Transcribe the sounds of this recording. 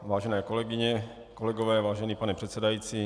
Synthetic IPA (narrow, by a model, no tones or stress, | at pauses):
vaːʒɛnɛːkolɛɡɪɲɛ | kolɛɡovɛːvaːʒɛniːpanɛpr̥ɛt̪sɛdajiːt͡siː